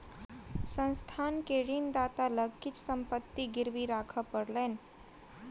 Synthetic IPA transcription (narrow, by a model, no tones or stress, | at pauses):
sə̃nst̪ʰankeɽind̪at̪aləɡit͡ʃsəmpət̪ːiɡiɾʋiɾakʰəpəɽlen